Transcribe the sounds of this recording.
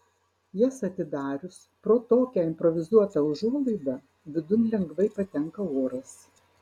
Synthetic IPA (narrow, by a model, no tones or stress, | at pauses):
jɛsɐt̪ʲɪd̪ɑːɾʲʊs | pɾoːt̪oːkʲɛɪmʲpɾɔʋʲɪzuɔt̪ɐʊʒuɔlˠɐɪd̪ɐ | ʋʲɪd̪ʊnʲlʲɛŋɡʋɐɪpɐt̪ʲɛŋkɐoːɾɐs